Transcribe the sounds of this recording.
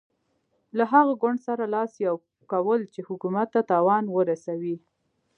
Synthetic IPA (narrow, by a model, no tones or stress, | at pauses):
laɦaɣaɡwʊɳɖsaɾalɑsjaw | kawəlt͡ʃehʊkumat̪ːat̪ɑwɑnwəɾasawi